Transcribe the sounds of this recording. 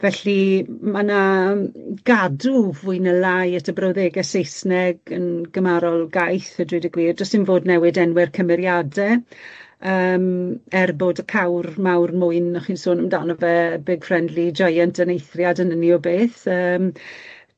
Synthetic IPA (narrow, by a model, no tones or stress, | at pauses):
vɛɬimana | ɡ̥aduvʊɨnəlajətʰəbrɔwðeːɡɛsejsnɛɡənɡəmaɾɔlˠɡajθədwɪdəɡwiːrd͡ʒɔsɪnvoːdnɛwɨdɛnwɛrkʰəmɛɾjadɛ | əːmɛrboːdəkʰawrmawrmʊɨnɔχiːnsoːnəmdanɔvɛbɪɡ̥frɛndlid͡ʒajantʰənejθrjadənəniɔbeːθəːm